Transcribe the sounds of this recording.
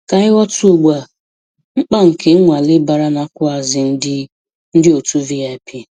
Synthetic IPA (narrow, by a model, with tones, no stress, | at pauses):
ka˨ɪ˦wɔ˦tu˦o˨ɡ͡bʷa˨ | ŋ͡m̩˦k͡pa˦ŋ̩˨kʰe˦ŋʷa˨lɪ˦ba˨ɾa˦na˨˦kʷʊ˦a˨zɪ˨n̩˦dɪ˦ | n̩˦dɪ˦o˨tu˦vi˦ja˨e˨pʰi˦˨